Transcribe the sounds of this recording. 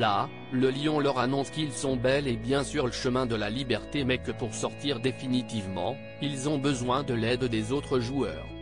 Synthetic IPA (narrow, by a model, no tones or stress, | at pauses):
la | ləljɔ̃lœʁanɔ̃skʲilsɔ̃bɛlebjɛ̃syʁləʃəmɛ̃d̪əlalibɛʁt̪emɛkəpuʁsɔʁt̪iʁd̪efinit̪ivmɑ̰̃ | ilzɔ̃bəzwɛ̃d̪əlɛd̪d̪ezot̪χəʒuœ̰ːʁ